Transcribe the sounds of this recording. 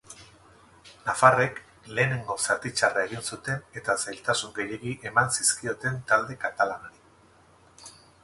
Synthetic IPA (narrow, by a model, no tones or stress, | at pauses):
nafare̞k | le̞ːne̞ŋɡo̞sat̪it͡ʃarae̞ɣ̞insut̪e̞ne̞t̪asajlt̪asuŋɡe̞je̞ɣiʔe̞mansiskio̞t̪e̞nt̪ald̪e̞kat̪alanoɾi